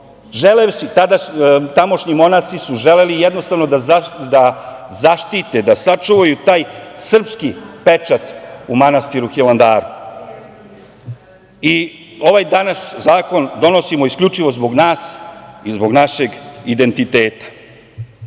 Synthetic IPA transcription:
ʒeleʃɲit̪ad̪at̪amo̞ʃɲimo̞nasisuʒelelijɛd̪nost̪aʋnod̪ad̪azaʃt̪it̪ed̪asat͡ʂuʋajut̪aːjsr̩pskipet͡ʂat̪umanast̪iɾuxiland̪aːɾu | i | o̞ʋajd̪anaszaːko̞nd̪o̞no̞simoisklʎʲut͡ʂiʋo̞zbo̞ɡnaːsizbo̞ɡnaʃe̞ɡid̪e̞nt̪it̪eːt̪ḁ

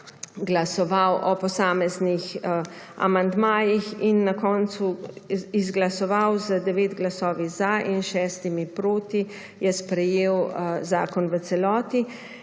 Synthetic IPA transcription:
ɡlasɔʋawʔɔpɔsaːmɛznix | a̰mand̪maːjixinːakɔːnt̪suizɡlasɔʋawzəd̪ɛʋeːd̪ɡlasɔːʋizaʔinʃɛːst̪imipɾoːt̪i | jɛspɾɛjeːwzaːkɔnʋət̪sɛlɔːt̪i

